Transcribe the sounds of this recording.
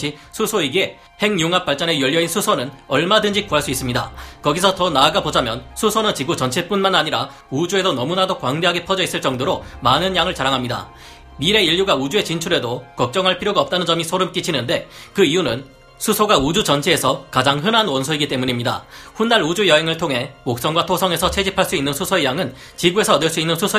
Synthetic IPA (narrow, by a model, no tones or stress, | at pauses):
ɕʰisʰusʰoiɡe̞ | he̞ŋjuŋap̚p͈aɭt͡ɕ͈ʌne̞jʌʎːjʌesʰusʰonɯnʌɭmadɯnd͡ʑik͈uɦaɭs͈uis͈ɯmɲida̰kʌɡisʰʌtʌnaːɡabod͡ʑamjʌnsʰusʰonɯnt͡ɕiɡut͡ɕʌnt͡ɕʰep͈unmanaɲiɾa | ud͡ʑue̞sʰʌnʌmunadokwaŋde̞ɦaɡepʰʌd͡ʑʌis͈ɯɭt͡ɕ͈ʌŋdoɾomanɯnjaŋɯɭt͡ɕaɾaŋɦamɲida̰ | miɾe̞iʎːjuɡaud͡ʑue̞t͡ɕint͡ɕʰuɾe̞dokʌk̚t͡ɕ͈ʌŋɦaɭpʰiɾjoɡaʌp̚t͈anɯnd͡ʑʌmisʰoɾɯmk͈it͡ɕʰinɯnde̞kɯijunɯn | sʰusʰoɡaud͡ʑut͡ɕʌnt͡ɕʰie̞sʰʌkad͡ʑaŋɦɯnanwʌnsʰoiɡit͈e̞muɲimɲida̰ɸunːaɾud͡ʑujʌɦe̞ŋɯɭtʰoŋɦe̞mok̚s͈ʌŋɡwatʰosʰʌŋe̞sʰʌt͡ɕʰe̞d͡ʑipʰaɭs͈uinːɯnsʰusʰoe̞jaŋɯn | t͡ɕiɡue̞sʰʌːdɯɭs͈uinːɯnsʰusʰo